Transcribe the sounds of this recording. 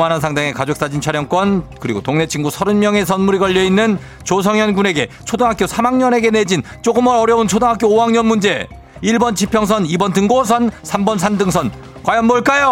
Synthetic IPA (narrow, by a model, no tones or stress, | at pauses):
manansʰaŋdaŋe̞kad͡ʑok̚s͈ad͡ʑint͡ɕʰaɾjʌŋk͈wʌnkɯɾiɡotoŋne̞t͡ɕʰiŋɡusʰʌɾɯnmjʌŋe̞s̬ʰʌnmuɾiɡʌʎːʌinːɯn | t͡ɕos̬ʰʌŋjʌnɡune̞ɡe̞ | t͡ɕʰodaŋɦakjosʰamaŋɲʌne̞ɡe̞ne̞d͡ʑint͡ɕ͈oɡɯmʌɾʌɾjʌunt͡ɕʰodaŋɦak͈joːɦaŋɲʌnmund͡ʑe̞ | iɭbʌnt͡ɕʰipʰjʌŋs̬ʰʌnibʌntɯŋɡosʰʌnsʰambʌnsʰandɯŋsʰʌn | kwajʌnmoɭk͈ajo